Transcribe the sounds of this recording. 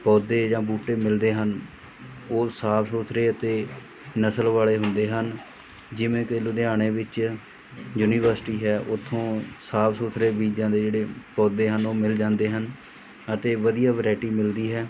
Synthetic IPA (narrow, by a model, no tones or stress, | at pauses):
pɔːd̪eːd͡ʒãːbuːʈeːmɪld̪eːɦən | oːsaːbsoːt̪ʰɾeːət̪eː | nəsəlʋaːɭeːɦʊ̃nd̪eːɦən | d͡ʒɪʋẽːkeːluːd̪eaːɽ̃eːʋɪt͡ʃ | juːniːʋəɾsʈiːɦɛːʔʊt̪ʰːõːsaːbsoːt̪ʰɾeːbiːd͡ʒãːd̪eːd͡ʒeːɽeːpɔːd̪eːɦənoːmɪld͡ʒãːnd̪eːɦən | ət̪eːʋəd̪ijaːʋəɾaːɪʈiːmɪld̪iːɦɛː